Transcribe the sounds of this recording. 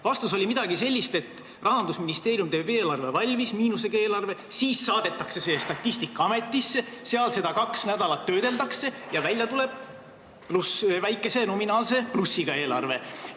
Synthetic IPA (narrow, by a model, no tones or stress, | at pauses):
vɑst̪uso̞lʲimid̪̥ɑɡise̞lʲːist̪e̞t̪ː | rɑɦɑnd̪usminist̪e̞ːɾijumt̪eːbeːlɑrve̞vɑlʲmismiːnuse̞ɡ̥ɑe̞ːlɑrve̞siːsːɑːd̪̥e̞t̪ːˑɑkse̞seːst̪ɑt̪ːist̪ikːˑɑɑme̞t̪ːisːe | seɑlse̞d̪̥ɑkɑksnæd̪̥ɑlɑt̪ːø̞ːd̪̥e̞ld̪ɑkse̞jɑvælʲjɑt̪ule̞b̥̚ | plusvæjkːˑe̞se̞no̞minɑːlse̞plusːiɡ̥ɑe̞ːlɑ̰rve̞